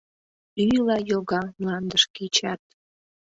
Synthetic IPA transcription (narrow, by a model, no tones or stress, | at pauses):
yjlɑjoɣɑmlɑnd̪əʃkit͡ɕɑt̪̚